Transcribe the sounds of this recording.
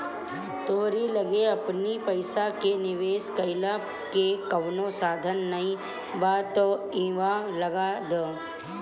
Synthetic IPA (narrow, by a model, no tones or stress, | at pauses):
t̪oːɾilɐɡeɐpnipəɪsakenɪʋeːskɐɪla | kekɐʋnõsaːd̪ʱənːɐĩ | baːt̪o | iʋalɐɡad̪oː